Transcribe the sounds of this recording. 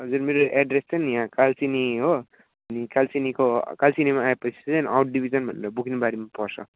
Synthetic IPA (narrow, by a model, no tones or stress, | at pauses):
ɦʌd͡zurmeɾoɛɖrest͡sʌnijãkalt͡siniɦo | ʌnikalt͡sinikokalt͡sinimaaepʌt͡sʰi̥ʌniawʈ̚ɖibʱid͡zʌnbʱʌ̰nɾʌbukʰnebaɾimapʌrsʰʌ